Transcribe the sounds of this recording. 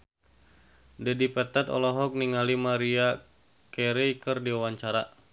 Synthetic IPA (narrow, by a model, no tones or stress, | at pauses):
dɛdipɛt̪at̪ɔ̰lɔɦɔk̚niŋalimaɾia | kɛɾijkɨrdiwawaɲt͡ʃaɾa